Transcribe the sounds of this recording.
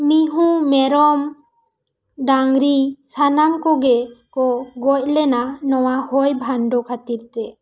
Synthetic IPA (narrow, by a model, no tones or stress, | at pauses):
miɦũmɛɾɔm | ɖaŋɾisanamkɔɡɛkɔɡɔc̚lɛnanɔwahɔjbʱanɖɔkʰat̪iɾt̪ɛ